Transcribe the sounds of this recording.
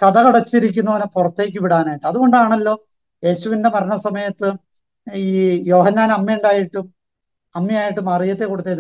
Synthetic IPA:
kɐðɐkuɽɐt͡ɕːiɾik̬ʲːunːɐʋɐnepurɐt̪ːe̞ːk̬ʲːɨʋiɽaːnaːjiʈːɨɐðuɣo̞ɳɖaːɳɐlːo̞ː | je̞ːɕuʋinde̞mɐɾɐɳɐsɐmɐjɐt̪ːɨ | iːjo̞ːhɐnːaːnɐmːɐuɳɖaːjiʈːum | ɐmːjɐaːjiʈːumɐrijɐt̪ːe̞kːo̞ɽut̪ːeːn

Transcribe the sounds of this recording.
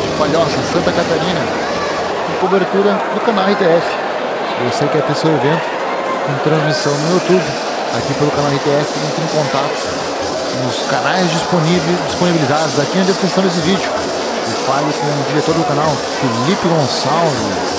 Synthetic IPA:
paʎɔsɐsɐ̃nt̪ɐkat̪aɾĩnɐ | ɪ̃kobeɾt̪uɾɐd̪ʊkanawit̪eɛfɪ̥ | eowsejkɛɾt̪esewevẽnt̪ʊ | kõt̪ɾɐ̃zmisɐ̃w̃nʊut̪ubɪ | akipelʊkanawit̪eɛfɪẽnt̪ɾẽkõnt̪at̪ʊ̥ | nʊskanajzd͡ʒispnivd͡ʒisponibilizad̪ʊzakĩd̪eskɾistɐ̃w̃d̪esɪvid͡ʒʊ | ɪfalʊkõd͡ʒiɾet̪oɾɐd̪ʊkanaw | filipɪɡõsawvɪ̰

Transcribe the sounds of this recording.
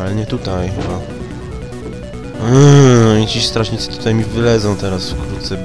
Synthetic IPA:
alɲɛt̪ut̪ajxɛba | t͡ɕist̪ɾaʂɲit̪sɛ̥t̪u̥t̪ajmʲivɘlɛd̪zɔ̃w̃t̪ɛɾasfkɾut̪t̪sɛb

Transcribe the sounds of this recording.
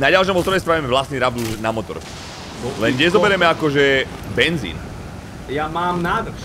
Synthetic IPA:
naɟalʃ̬ɔmɔzt̪ɾɔɾɛs̬pɾaʋimɛʋlast̪niɾab̚d̪uʒɛnamɔt̪ɔ̰ɾ | lɛnɲɛzɔbɛɾɛmɛakɔʒɛ | bɛnzḭːn | jamaːmnaːd̪

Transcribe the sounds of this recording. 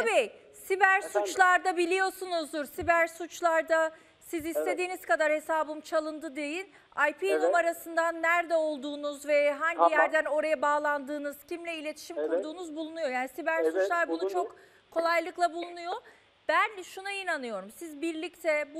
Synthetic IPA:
t̪abi | sibæɾsut͡ʃlˠaɾd̪abilʲijo̞sunuzd̪uɾsibæɾsut͡ʃlˠaɾd̪a | sizist̪ʰe̞d̪iːnizkad̪aɾhe̞saːbɯmt͡ʃʰalˠɯnd̪ɯd̪e̞jin | ajpʰinumaɾasɯnd̪anːæɾd̪ɛo̞lˠd̪uːnuzvɛɦaɲijæɾd̪æno̞ɾajabaːlˠand̪ɯːnɯz̥cimlʲɛilʲe̞t̪ʰi̥ʃimkʰuɾd̪uːnuzbulˠunujo̞jaːnisibæɾsut͡ʃlˠaɾbunut͡ʃʰo̞k | kʰo̞lˠajlˠɯklˠabulˠunujo̞ | b̥ænʃunainanɯjo̞ɾumsizbiɾlʲic̚t̪ʰɛb

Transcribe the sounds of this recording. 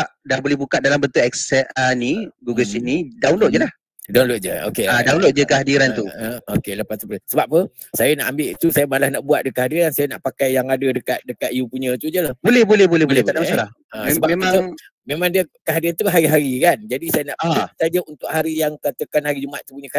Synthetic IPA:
aʔdaŋbolɛhbukat̪̚dalambənt̪ʊʔɛksɛəniɡuɡəlsiʔ̚nidaunloʔ̚d͡ʒəlah | daunloʔ̚d͡ʒə̰o̰keadaunloʔ̚d͡ʒəkəɦadiɾanuokeləpast̪ubləsəbap̚ːə | sajanaʔambɪʔt̪usajamalahnaʔbuat̪̚dəkəɦadiɾansajanaʔpakajːaŋadədəkat̪̚dəkat̪̚ijupuɲət̪ud͡ʒəlabolɛhbolɛhbolɛhboleaʔdaalah | asəbaemau | memaŋdiəkəɦadiɾant̪uaɦaɾiɦaɾikand͡ʒadisajənaʔpaat̪ad͡ʒəunt̪ʊʔ̚haɾijaŋkat̪əkanhaɾid͡ʒumaaʔ̪t̪upuɲək

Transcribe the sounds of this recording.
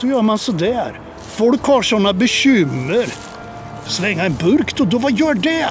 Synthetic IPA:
sɔjœːɾmansɔd̪æɾ | fɔlkhɑʂɔnːabɛɕʏmːəɾ | slɛŋːaɛnbɵɾkt̪ɔd̪ɔvajœːɖɛ

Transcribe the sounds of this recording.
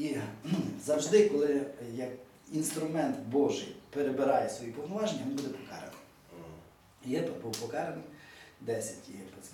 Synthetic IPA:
i | zɐwʒd̪ɪkɔlˠɪjɐk | inst̪ɾʊmɛnt̪bɔʒɪjpeɾebeɾɑjɛsʋɔjipɔwnɔʋɑʒenʲɐʋinbud̪ɛpɔkɑ̰ɾḛnɪ | jɛpbuwpɔkɑɾenɪd̪ɛsʲɐtʲijɛpɛ

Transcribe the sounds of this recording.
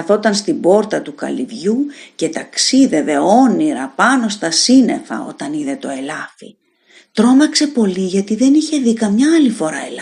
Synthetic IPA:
ɐθo̞t̪ɐnst̪ibo̞ɾt̪ɐt̪ukɐ̰lḭvʝuce̞t̪ɐksiðe̞ve̞o̞niɾɐpɐno̞st̪ɐsine̞̰fɐ̰o̞̰t̪ɐniðe̞t̪o̞e̞lɐfḭ | t̪ɾo̞mɐkse̞po̞liʝɐt̪iðe̞niçe̞ðikɐmɲɐɐlifo̞ɾɐel

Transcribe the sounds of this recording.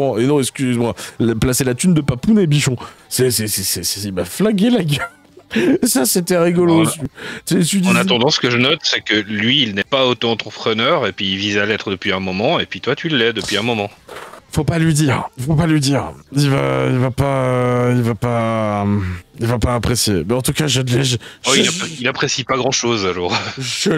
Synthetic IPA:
ɑ̃enɔ̃ɛkskʲyzemwalplaselat̪ynd̪əpapunebiʃɔ̃sɛsɛsɛsɛsɛivaflaɡʲelaɡʲa | saset̪ɛʁiɡɔlosyt̪esyd̪ɑ̃nat̪ɑ̃d̪ɑ̃sə̥kəʒənɔt̪sɛkəlɥiːlnɛpaot̪oɑ̃t̪χəpχənœʁepɥiːlvizalɛt̪χəd̪əpɥiɛ̃mɔmɑ̃epɥit̪wat̪ʰyləɛd̪əpɥiɛ̃mɔmɑ̃ifopalɥid̪iʁifopalɥid̪iːʁilvailvapailvapa | ilvapaːpχesjemɛɑ̃t̪ukaʒad̪lɛʒʒɔiilapχesipaɡʁɑ̃ʃozalɔʁʒə

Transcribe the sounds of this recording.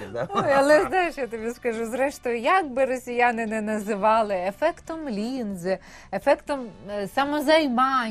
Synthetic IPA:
ojɐlˠɛznajɪʃjat̪ɪʋʲiskɐʒuzɾɛʃt̪ɔjjak̚bɪɾɔsʲɪjanɪnɛnɐzɪʋɑlˠɪɛfɛkt̪ɔmlʲinz | ɛfɛkt̪ɔmsamɔzɐjmɑ

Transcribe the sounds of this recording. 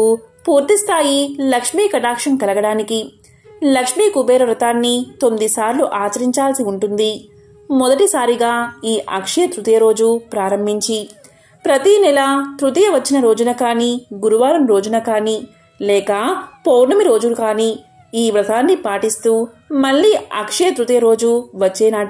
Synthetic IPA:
upuːɾt̪ist̪ʰaːjilɐkʂmiːkɐʈaːkʂɐnkɐlɐɡɐɽaːniki | lɐkʂmiːkubɛːɾɐʋɾɐt̪aːnːit̪omd̪isaːɾluʔaːt͡ʃɐɾiɲt͡ʃaːlsiuɳʈund̪i | mɔd̪ɐʈisaːɾiɡaːiːʔɐ̰kʂɐjɐt̪ɾut̪ɐjɐɾo̞ːd͡ʒupɾaːɾɐmbʱiɲt͡ʃi | pɾɐt̪inɛlɐt̪ɾut̪ijɐʋɐt͡ʃːinɐɾo̞ːd͡ʒunɐkaːniɡuɾuʋaːɾɐmɾo̞ːd͡ʒunɐkaːni | lɛːkɐpownɐmiɾo̞ːd͡ʒulkaːniː | iːʋɾɐt̪aːnːipaːʈist̪uː | mɐɭːiːɐ̰kʂɐjɐt̪ɾut̪ɐjɐɾo̞ːd͡ʒuʋɐt͡ʃːɛːnaː

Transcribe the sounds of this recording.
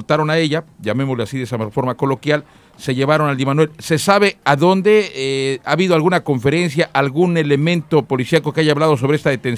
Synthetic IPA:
t̪aɾo̞nae̞ʝaʝame̞mo̞zleasiðesafo̞ɾmako̞lo̞kjal | se̞ʝe̞β̞aɾo̞nald̪imanwe̞lse̞saβe̞aðo̞nd̪e̞aːβiðoalɣunako̞ɱfe̞ɾe̞nsjaʔalɣune̞le̞mẽ̞nt̪o̞po̞lisjako̞keaʝaːβlað̞o̞s̬o̞β̞ɾe̞s̬t̪aðet̪e̞n

